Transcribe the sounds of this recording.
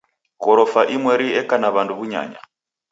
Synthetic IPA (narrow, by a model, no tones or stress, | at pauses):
kɔɾɔfaʔimwɛɾiɛkanaβandʰuβuɲa̰ːɲa̰